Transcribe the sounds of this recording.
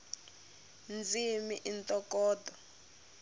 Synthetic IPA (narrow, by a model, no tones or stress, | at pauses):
nd͡zimiʔintʼɔkɔːdɔ